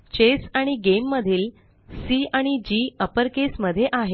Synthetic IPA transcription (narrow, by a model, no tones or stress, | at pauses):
t͡ɕesaɽ̃iɡemːəd̪ʱiːl | siaɽ̃id͡ʑiːəpəɾkesməd̪ʱːjeʔaɦe